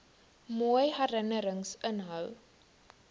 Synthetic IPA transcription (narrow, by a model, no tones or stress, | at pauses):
mujɦæɾənəɾəŋsənɦœw